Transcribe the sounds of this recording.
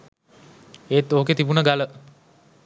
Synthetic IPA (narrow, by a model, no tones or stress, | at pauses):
eːt̪ːoːket̪ibunəɡalə